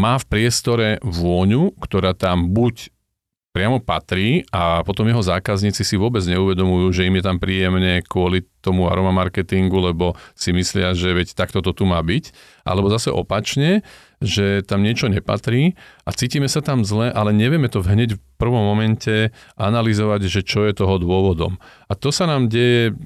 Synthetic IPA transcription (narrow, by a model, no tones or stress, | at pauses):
maːfpɾɪɛst̪ɔɾɛʋʊɔɲukt̪ɔɾaːt̪ambuc | pɾɪamɔpa̰t̪ɾiːapɔt̪ɔmjɛɦɔzaːkazɲiːt͡sisiʋʊɔbɛd͡zɲɛuʋɛd̪ɔmujuːʒɛimjɛt̪ampɾiːjɛmɲɛkʊɔlit̪ɔmua̰ɾɔmamaɾkɛt̪iŋɡulɛbɔsimislɪaʒɛʋɛct̪akt̪ɔt̪ɔt̪umaːbic | ʔa̰lɛbɔzasɛʔɔpat͡ʃɲɛ | ʒɛt̪amɲɪɛt͡ʃɔɲɛpa̰t̪ɾiːʔat͡siːciːmɛsat̪amzlɛʔalɛɲɛʋɪɛmɛt̪ɔvɦɲɛɟfpr̩ʋɔmːɔmɛncɛʔa̰nalizɔʋaɟʒɛt͡ʃɔjɛt̪ɔɦɔd̪ʊɔʋɔd̪ɔ̰m | at̪ɔsanaːmɟɛjɛ